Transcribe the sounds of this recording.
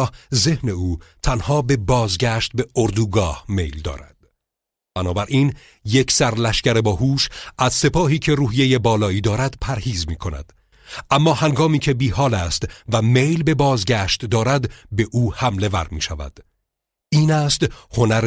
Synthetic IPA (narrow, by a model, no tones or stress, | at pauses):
hze̞hne̞uːt̪ʰænhɒːbe̞bɒːzɡæʃt̪̚be̞oɾd̪uːɡɒːhmejld̪ɒ̰ːɾæ̰d̪̥ | b̥ænɒːbæɾʔiːn | jecʰsæɾlæʃkcæɾe̞bɒːhuːʃʔæzse̞pʰɒːɦiːcʰe̞ɾuːhije̞je̞bɒːlɒːiːd̪ɒːɾæd̪pʰæɾhiːzmiːkʰo̞næ̰d̪̥ | ʔæmːɒːhæŋɡɒːmiːcʰebiːhɒːlæst̪væme̞jlbe̞bɒːzɟæːʃt̪d̪ɒːɾæd̪be̞ʔuːhæmle̞væ̰ɾmḭːʃævæ̰d̪̥ | ʔiːnæst̪ho̞næɾ